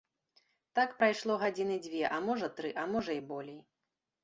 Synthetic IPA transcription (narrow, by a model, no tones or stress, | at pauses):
t̪akpɾajʂlˠɔɣad͡zʲinɨd͡zʲvʲɛʔɐmɔʐɐt̪ɾɨʔɐmɔʐɐibɔlʲej